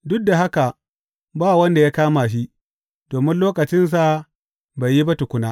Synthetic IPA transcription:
dʊ˦k̚da˨ɦa˦ka˨ | baː˦˨wɐ˦nda˨jaː˦kaː˦maː˨ʃ̬i˦ʔ | doː˨mɪ˦nloː˦kɐ˨t͡ʃɪ˦ns̬a˨ | ba˨ji˦ba˦tʊ˨kʷʊ˦naː˦

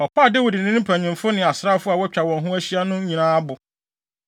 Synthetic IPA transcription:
ɔ˨kʰa˦˨dɪ˦wʊ˨dɪ˨nɪ̃˦pʰæ˨ɲɪ̃˨mfʊ˦nɪ̃˨a˨sɾa˦fʊ˦a˨wɔ˦t͡ɕᶣa˨wɔ̃˨ɦʊ̃˦æ˦ɕi˦a˦nʊ̃˦ɲĩ˨nãː˦bʊ˨

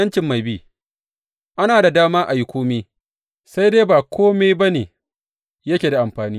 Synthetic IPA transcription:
ɐ˦nt͡ʃɪ˨mːa˨jbi˦ | ʔa˦naː˨da˨daː˦maː˦ʔa˨ji˦kʷoː˦miː˦ | sa˦jdeː˦baː˨kʷʰoː˦me˦ba˦neː˨ | jɐ˦kʲeː˨da˨ʔa˨mɸaː˨niː˦

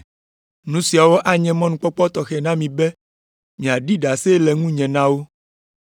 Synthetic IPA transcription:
nũ˦si˨a˨wɔ˦ʔa˦ɲɛ̃˦mɔ̃˦nũ˨k͡pɔ˦k͡pɔ˦t̪ɔ˨xɛ˨nã˦mĩ˨bɛ˦ | mĩ˨a˨ɖi˦ɖa˨se˦lɛ˨ŋũ˦ɲɛ̃˨nã˦wo˦

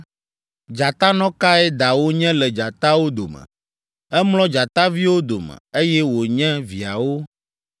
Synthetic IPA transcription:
d͡ʒa˨t̪a˦nɔ̃˦ka˦ɛ˦d̪a˨wo˦ɲɛ̃˦lɛ˨d͡ʒa˨t̪a˦wo˦d̪o˨mɛ̰̃˨ | ɛ˦mlɔ̃˦d͡ʒa˨t̪a˦vi˦wo˦d̪o̰˨mɛ̰̃˨e˦jɛ˦wo˨ɲɛ̃˦vi˨a˨wo˦

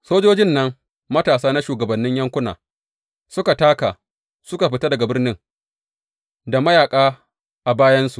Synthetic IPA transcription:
soː˦d͡ʒoː˦d͡ʒɪ˦nːɐ˦ŋ | mɐ˦taː˨saː˦na˦ʃuː˨ɡɐ˨bɐ˨nːɪ˦ɲjɐ˦ŋkʷʊ˦na̰ː˨ | sʊ˦ka˨taː˦ka̰ː˨ | sʊ˦ka˨ɸɪ˨ta˦dɐ˨ɡa˨bɪ˦rnɪ˦ŋ | da˨mɐ˦jaː˨kʼaː˦ | ʔa˨baː˦jɐ˦nsu˨ʔ

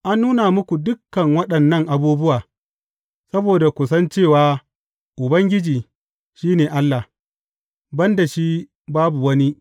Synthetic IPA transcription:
ʔa˦nːuː˦na˨mʊ˦kʷu˨dʊ˦kːɐ˨ŋwɐ˦ɗɐ˨nːɐ˦ŋʔa˨buː˦bʊ˦waː˨ | sɐ˦boː˨da˨kʷʊ˨sɐ˦nt͡ʃeː˦˨waː˨˦ | ʔʊ˨bɐ˦ŋɡʲɪ˦d͡ʒiː˨ | ʃiː˦neː˨ʔa˦lːa˨h | bɐ˦nda˨ʃi˦ | baː˦bu˨wɐ˦ni˦

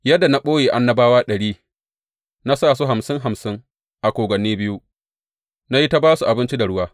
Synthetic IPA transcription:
jɐ˦dːa˨na˦ɓoː˦jeː˨ʔa˦nːɐ˦baː˦waː˦ɗɐ˨ɽiː˦ | na˦saː˦˨su˦ɦa˨msɪ˦ŋɦa˨msɪ˦ŋ | ʔa˨kʷoː˨ɡʷɐ˨niː˦bɪ˦ju˦ | na˦ji˦ta˦baː˦su˨ʔa˨bɪ˦nt͡ʃi˦da˨ɽʊ˦waː˦

